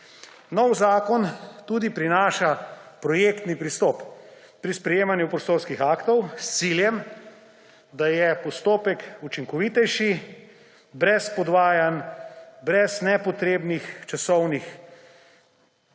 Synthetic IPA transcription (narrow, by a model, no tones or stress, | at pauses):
nɔwzaːkɔnt̪uːd̪ipɾinaːʃapɾɔjeːkt̪nipɾist̪ɔp | pɾispɾɛjeːmanjupɾɔst̪oːɾskixakt̪ɔwst̪siljɛm | d̪ajɛpɔst̪oːpɛkut͡ʃiŋkɔʋit̪ɛjʃi | bɾɛspɔd̪ʋaːjanbɾɛznɛpɔt̪ɾeːbnixt͡ʃasɔwnix